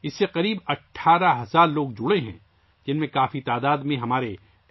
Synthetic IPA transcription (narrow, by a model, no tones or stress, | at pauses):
ɪsːeqɐɾiːbɐʈʰːaːɾaɦɐzaːɾloːɡd͡ʒʊɽeɦɛ̰̃ː | d͡ʒɪnmẽkaːfit̪aːd̪aːd̪mẽɦɐmaːɾe